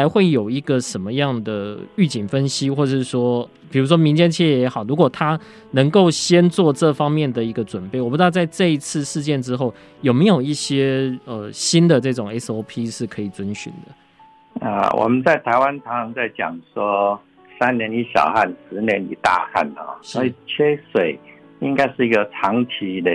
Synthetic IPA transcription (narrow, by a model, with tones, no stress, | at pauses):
a˧˦ɪxwe˥˩ɪjo˨˩ʊi˧˥ɡə˨ʂə˧˦nmə˧jɑ˥˩ŋd̪ə˩y˥˩t͡ɕi˨˩ŋfə˦nɕi˦xwɔ˥˧ə˨˩ʂɻ̩˥˩ʂwɔ˥ | pi˨˩ɻu˧˥ʂ̬wɔ˥mi˧˦ŋt͡ɕjɛ˥nt͡ɕʰɛ˥˩jɛ˧˥xɑ˨˩ʊɻu˧˥kwɔ˨˩t̪ʰa˥ | nə˧˥ŋko˥˩ʊɕjɛ˥nt͡swɔ˥˧ʈ͡ʂɤ˥˨fɑ˥ŋmjɛ˥˨˩nd̪ə˩i˧˥ɡə˧ʈ͡ʂwə˨˩npe˥˩ɪwpu˧˥ɑ˥˧t͡sa˥˧ɪʈ͡ʂɤ˥˧i˧˥t͡s̩ʰ˥˧ʂɻ̩˥˧t͡ɕjɛ˥˩nʈ͡ʂɻ̩˥xo˥˩ʊ | jo˨˩me˧˥ɪjo˨˩ʊi˥˩ɕjɛ˥ə˩ɕi˦˥nd̪ə˨ʈ͡ʂɤ˥˩ʈ͡ʂʊ˨˩ŋe˥so˧˥ʊpʰi˦ʂɻ̩˥˩kʰɤ˧˥i˨˩t͡swə˦nɕy̰˨˩nd̪ə˦ | ə̰˧˩wʔɔ̰˨˩mə˨nt͡sa˥˩ɪt̪ʰa˧˥ɪwa˦nt̪ʰɑ˧˥˦ŋt͡sa˥˩ɪt͡ɕjɑ̰˨˩ŋswɔ˦˥ | sa˦nnjɛ˧˦ni˦˥ɕjɑ̰˨˩ʊxa˥˩nʂɻ̩˧˦njɛ˧˦nḭ˨˩t̪a̰˥˧xa̰˥˩n˨ɔ̰˨˦ʂwɔ˧˥i˨˩t͡ɕʰɛ˥swe˨˩ɪ | i˦ŋka˥ɪʂɻ̩˥˩i˧˥ɡə˧t͡sʰɑ˨˧˥ŋt͡ɕʰi˧˥le˧